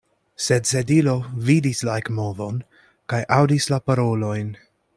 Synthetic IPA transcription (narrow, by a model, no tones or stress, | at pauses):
sedsedilo̞vidislaekmo̞vo̞n | kajʔawdislapaɾo̞lo̞jn